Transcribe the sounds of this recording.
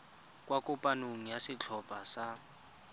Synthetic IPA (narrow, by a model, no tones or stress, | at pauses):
kwakʊpʼanoŋ̩jasɪt͡ɬʰɔpʼasa